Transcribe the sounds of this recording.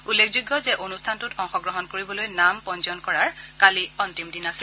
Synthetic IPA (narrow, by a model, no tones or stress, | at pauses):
ulːekʰzuɡːɔzɛʔonustʰantutɔŋxɔɡɹɔɦɔnkoɹibɔlojnampɔnzɔnkɔɹaɹkaliɔntimdinasil